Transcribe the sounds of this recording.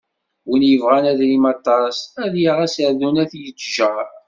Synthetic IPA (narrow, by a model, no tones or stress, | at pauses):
wənjəvʁænæðlimɑt̪ˤːɑsæðjaʁæsəʕðunæθjəd͡ʒʒæ